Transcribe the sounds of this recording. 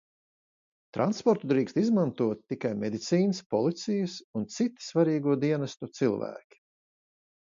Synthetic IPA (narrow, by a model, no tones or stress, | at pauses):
t̪ɾʔa̰nspɔɾt̪ud̪ɾiːkst̪izmant̪uɔt̪ːikajmɛd̪it̪siːnɨspɔlˠit̪sijɨsunt̪sit̪i̥svaɾiːɡuɔd̪iɛnast̪ut̪silˠvæ̰ːkʲi̥